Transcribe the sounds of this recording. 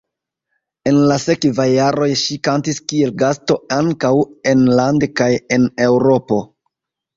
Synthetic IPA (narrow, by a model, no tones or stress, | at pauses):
e̞nlase̞kvajːaɾo̞jʃikantiskie̞lɡasto̞aŋkawe̞nlandekaje̞ne̞wɾo̞po̞